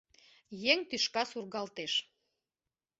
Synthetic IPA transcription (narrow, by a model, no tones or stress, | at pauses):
jeŋt̪yʃkɑsurɣɑlt̪eʃ